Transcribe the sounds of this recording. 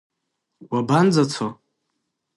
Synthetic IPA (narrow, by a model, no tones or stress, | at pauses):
waband͡zat͡sʷʰo